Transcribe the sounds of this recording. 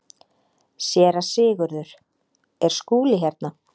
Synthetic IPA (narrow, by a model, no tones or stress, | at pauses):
sjɛːɾasɪːɣʏɾðʏɾ̥ | ɛɾ̥skuːlɪɦɛɾt̪na